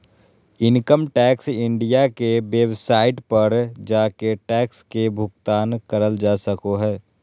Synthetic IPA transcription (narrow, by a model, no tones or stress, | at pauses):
ɪnkəmʈɛːksɪ̃ɳɖijakeʋeːbsaːɪʈpɐɾd͡ʒaːkeʈɛːkskebʱʊɡt̪aːnkəɾəld͡ʒaːsəkoɦɛː